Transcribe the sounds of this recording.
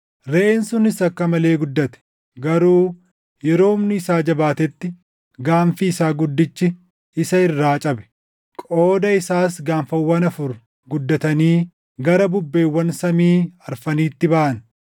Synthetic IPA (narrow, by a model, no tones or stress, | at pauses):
ɾeːnsʊnɪsɐkːɐmɐle̞ːɡʊd̪ːɐt̪ɛ̥ | ɡɐɾuː | jɛɾo̞ːʊmnɪːsaːd͡ʒɐbaːt̪ɛt̪ːɪ | ɡaːnfiːsaːɡʊd̪ːɪt͡ʃːɪ | ɪsɐɪrːaːt͡ʃʼɐbɛ̥ | kʼoːd̪ɐɪsaːs̬ɡaːnfɐwːɐnɐfʊɾ | ɡʊd̪ːɐt̪ɐniː | ɡɐɾɐbʊbːe̞ːwːɐnsɐmiːɐɾfɐniːt̪ːɪbɐʔɐn